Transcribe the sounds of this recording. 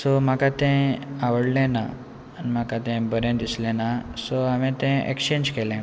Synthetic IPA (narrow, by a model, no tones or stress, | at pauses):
sɔm̤akat̪ɛ̃aʋəɽlɛ̃naː | nim̤akat̪ɛ̃bəɾẽnd̪islɛ̃nasɔamẽt̪ɛ̃ḛkɕeɲd͡ʑkelɛ̃